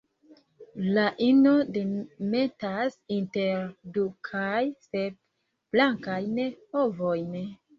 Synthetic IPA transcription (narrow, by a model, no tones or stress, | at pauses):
laʔino̞deme̞tasinteɾdukʰajseb̚ | b̥laŋkajnhovojn